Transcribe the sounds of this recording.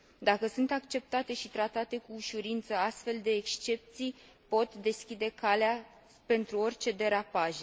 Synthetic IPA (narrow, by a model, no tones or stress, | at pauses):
d̪akəsunt̪akt͡ʃe̞p̚t̪at̪e̞ʃit̪ɾat̪at̪e̞kuːʃuɾint̪səast̪fe̞ld̪e̞ːkst͡ʃe̞p̚t̪sij | po̞t̪d̪e̞skʲid̪e̞kalea | pe̞nt̪ɾuo̞rʲt͡ʃe̞d̪e̞ɾapaʒe